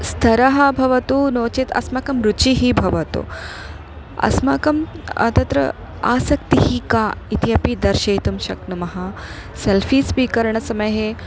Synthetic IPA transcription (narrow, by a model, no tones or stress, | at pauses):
st̪ʰɐɾɐɦɐbʱɐʋɐt̪unoːt͡ʃit̪ʰɐ̰smɐkɐmɾut͡ʃiɦibʱɐʋɐt̪ṵ | ɐ̰smɐkɐmɐ̰t̪ɐt̪ɾɐ̰ | a̰ːsɐkt̪iɦikaːit̪ijɐpid̪ɐɾʃeːt̪umʃɐknumɐɦɐselfiːsʋiːkɐɾɐɳɐsɐmɐjɦe